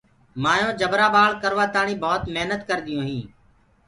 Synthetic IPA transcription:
maːjõːd͡ʒəbɾaːɓaːlkəɾʋaːt̪aːɳĩːbʱɔːt̪meɦnət̪kəɾd̪ɪjõːɦĩː

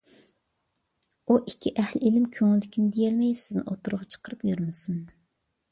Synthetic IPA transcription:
uʔikʲʰːiʔæhlɪelɪmkʲʰøŋɪlːɪkʲʰinɪd̪ejɛlmɛjsɪznɪ̰ʔot̪ʰuɾʊʁɑt͡ʃʰə̥qʰəɾɨpjyɾmɨsɨn

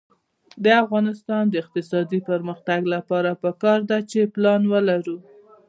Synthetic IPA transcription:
d̪əafɣɑnɪst̪ɑnd̪əɪq̚t̪ɪsɑd̪ipəɾməxt̪aɡlapɑɾapəkɑɾd̪at͡ʃeplɑnwəlaɾu

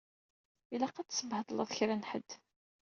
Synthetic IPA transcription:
ilæqːat͡sːsəbhət̪ˤlɑðˤçɾænħəd̪̥

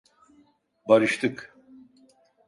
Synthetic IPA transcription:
baɾɯʃt̪ʰɯk

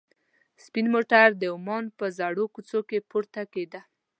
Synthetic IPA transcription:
spinmoʈaɾd̪əʊmɑnpəzaɽokut͡sokepoɾt̪aked̪a

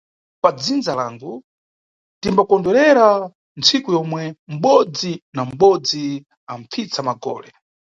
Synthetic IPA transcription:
pad͡zind͡zalaŋɡu | timbakɔndɛɾɛɾa | nt͡sʰikujɔmwɛm̩ɓɔd͡zinam̩ɓɔd͡zi | aɱfit͡samaɡɔ̰ːlɛ

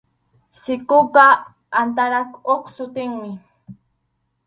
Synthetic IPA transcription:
sɪkʊpa | ant̪aɾakoksʊt̪ɪŋmɪ

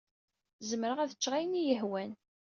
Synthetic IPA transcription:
zəməɾəʁæðət͡ʃːʁajnijəhwæn

